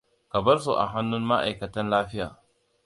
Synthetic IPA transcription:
kɐ˨bɐ˦rsu˨ʔa̰˨ɦa˦nːʊ˦nma˦ʔa̰˨jkɐ˨tɐ˦nlaː˦ɸɪ˦jaː˨

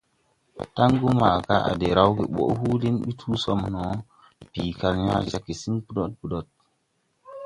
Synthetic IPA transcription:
ta˦ŋɡu˦ma˨ka˦a̰˨de˨ɾa˦wɡe˨ɓo̰˨˦hu˦li˦nɓi˦tʰuː˦so˦mno˨˦ | piː˨ka˨lɲa̰˦d͡ʒa˨kːi˨si˦npu˦do˦t̚pu˨do˦˨t̚

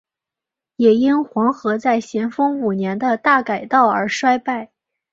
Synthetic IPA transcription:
jɛ˨˩i˥nxwɑ˧˥ŋxɤ˧˥t͡sa˥˩ɪɕjɛ˧˥nfɤ˥ŋu˨˩njɛ˧˥nd̪ə˧t̪a˥˩ka˨˩ɪt̪ɑ˥˩ʊə̰˞˧˥ʂwa˥ɪpa˥˩ɪ

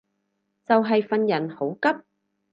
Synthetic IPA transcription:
t͡sɐ˨wɦɐ˨jfɐ˨njɐ˨˩nho˨˥wkɐ˥p̚

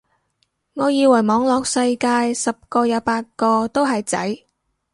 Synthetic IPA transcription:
ŋɔː˨˧jiː˨˧wɐ˨˩jmɔː˨˧ŋlɔː˨k̚sɐ˧jkaː˧jsɐ˨p̚kɔː˧jɐ˨˧˥paː˧t̚kɔː˧t̪o˥wɦɐ˨jt͡sɐ̰˨˥j

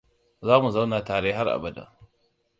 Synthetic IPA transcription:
zaː˦mu˨za˦wnaː˨taː˨ɽeː˦ɦa˦rʔa̰˨bɐ˨da̰˨

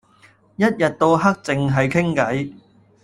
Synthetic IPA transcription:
jɐ˥t̚jɐ˨t̚t̪o˧wɦɐ˥k̚t͡sɪ˨ŋɦɐ˨jkʰɪ˥ŋkɐ˨˥j

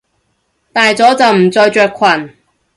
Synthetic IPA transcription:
t̪aː˨jt͡sɔː˨˥t͡sɐ˨wm̩˨˩t͡sɔː˧jt͡ʃœː˨˧kʷʰwɐ˨˩n

